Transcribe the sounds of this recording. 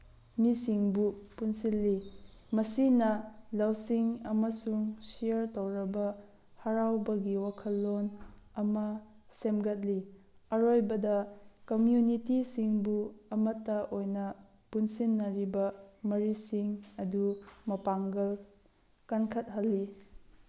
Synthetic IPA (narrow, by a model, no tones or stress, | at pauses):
misiŋbupunsilːimɐsinɐlɐwsiŋɐmɐsuŋsijɐɾtowɾɐbɐ | hɐɾawbɐɡiwakʰɐlːon | ɐmɐ | semɡɐt̚liɐɾojbɐdɐkomjunitisiŋbuɐmɐtːɐʔojnɐ | punsinːɐɾibɐmɐɾisiŋɐdumɐpaŋɡɐl | kɐnkʰɐt̚ɦɐlːi